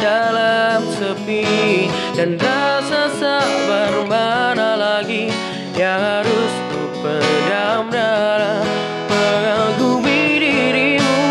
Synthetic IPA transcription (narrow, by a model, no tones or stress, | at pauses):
dalamsəpi | danɾasasabəɾmanalaɡi | jaɦaɾʊsbu | pədamɾaa | pəaɡuwiɾiɾimu